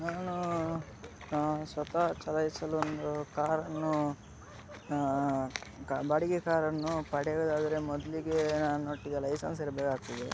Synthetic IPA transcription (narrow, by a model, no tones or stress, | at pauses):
naːnu | sʋɐt̪ɐt͡ʃɐlɐisɐluond̪ukaːɾɐnːu | kːbaːɽiɡekaːɾɐnːupɐɽɛɡɐd̪aːd̪ɐɾe̞mɔd̪ɐliɡe̞naːnunoʈːid̪ɐlɐjsɐns̬iɾɐbɛːkaːɡ̚t̪id̪e